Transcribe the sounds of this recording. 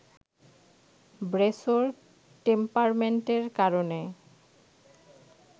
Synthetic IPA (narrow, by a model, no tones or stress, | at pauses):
bɾesoɾ | ʈempaɾmeɳʈeɾkaɾone